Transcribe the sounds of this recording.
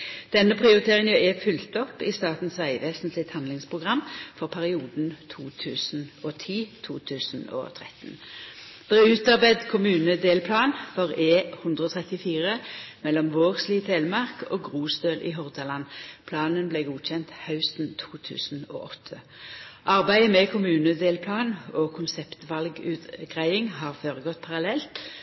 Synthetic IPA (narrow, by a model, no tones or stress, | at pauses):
d̪̥ɛnːəpʰʁɪʊʁɪt̪ʰeːʁɪŋəʉɛfʏlt̪ɔpːɪst̪ɑːt̪n̩sʋæɪʋeːsn̩slɪt̪hɑnlɪŋspʰʁʊɡʁɑmːfɔʁpʰæʁɪuːd̪n̩t̪ʰuːt̪ʰʉːsn̩oːt̪ʰiːt̪ʰuːt̪ʰʉːsn̩o̰ːt̪ʰʁɛt̪n̩ | d̪̥ɛːʁʉːt̪ɑʁbæɪd̪kʰʊmʉːnəd̪eːlpʰlɑːnfɔʁeːhʉnd̪ʁəɔːt̪ʰʁɛt̪ɪfiːʁəmɛlːɔmʋoːʁsliːt̪ʰeːlmɑʁkoːɡʁuːsd̪øːlʔḭːɦɔʁd̪ɑlɑnpʰlɑːnənbleːɡuːçɛnt̪hɑʉst̪n̩t̪ʰuːt̪ʰʉ̰ːsn̩o̰ːʔɔt̪ʰːə | ʔɑʁbæɪəmɛkʰʊmʉːnəd̪eːlpʰlɑːnoːkʰʊnsɛpt̪ʋɑlɡʉːt̪ɡ̥ʁæɪɪŋɦɑːʁføːʁəɡɔt̪̚ːpʰɑʁɑlɛlt̪